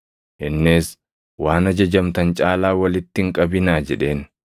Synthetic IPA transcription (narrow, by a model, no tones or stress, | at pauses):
ʔɪnːeːs | waːnɐd͡ʒɐd͡ʒɐmt̪ɐnt͡ʃʼaːlaːwɐlɪt̪ːɪŋkʼɐbɪnaːd͡ʒɛᶑe̞ːn